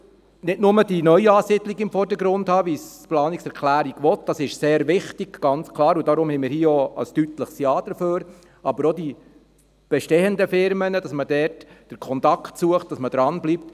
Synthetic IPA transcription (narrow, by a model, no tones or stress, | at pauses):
nɪdnʊmədinœʏɑːsidliɡɪmfɔrd̥əɡɾʊndhɑːʋisplɑːniksɛɾkʰlæːɾiɡ̥ʋɔtd̥ɑsɪʃseːɾʋɪχtiɡɡ̥ɑnt͡skʰlˠɑːɾudɑɾʊmhɛɪmɪːɾhiːəoə̰stytləχsjɑːd̥əɾføːɾ | ɑbəɾɔdi | b̥ɛʃtɛːəndəfɪɾmənəd̥ɑsmədɛtd̥əɾkʰɔnt̪ɑktsuəχt̚d̥ɑsməd̥ɾɑnblip̚t